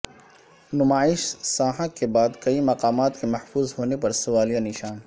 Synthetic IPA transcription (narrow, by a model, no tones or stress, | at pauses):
nʊmaːɪʃsaːɦəkkebaːd̪kɐimɐqaːmaːt̪kemɐhfuːzɦoːnepɐɾsʊʋaːlijanɪʃaːn